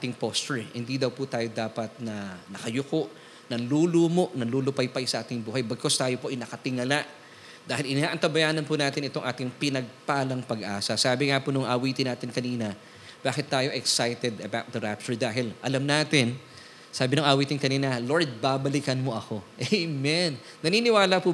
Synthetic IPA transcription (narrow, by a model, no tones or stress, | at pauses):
aːt̪ɪŋpost̪ɛɹhɪnd̪id̪ɐwpʊt̪aːjo̞d̪aːpɐt̪̚nɐnɐkɐjʊkoʔ | nɐluːlomoʔnɐluːlopɐjpɐjsɐʔaːt̪ɪŋbuːɦɐjbɐɡ̚kost̪aːjo̞po̞ʔɐjnɐkɐt̪ɪŋɐlaʔ | d̪aːhɪlɪnaːʔɐnt̪ɐbɐjaːnɐnpʊnaːt̪ɪnʔɪt̪o̞ŋʔaːt̪ɪŋpɪnɐɡ̚paːlɐŋpɐɡʔa̰ːsɐsaːbɪŋaponʊŋʔɐwiːt̪ɪnaːt̪ɪnkɐniːnɐ | b̥aːkɪt̪ːaːjo̞ʔɛɛksajt̪ɛd̪ɐbawt̪̚d̪ɐɾap̚t͡ʃʊɹd̪aːɦɪlʔɐlamnaːt̪ɪn | saːbɪnʊŋʔɐwiːt̪ɪnkɐniːnɐlo̞ɹd̪̚babɐlɪkɐnmo̞ʔɐko̞ʔɛjmɛnːɐniːnɪwaːlɐpʊ